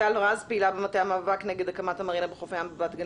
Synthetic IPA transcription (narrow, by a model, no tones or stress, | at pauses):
aloʁazpeilabemat̪eamaːvakneɡed̪akamat̪amaʁinabeχofajambebaːt̪ɡa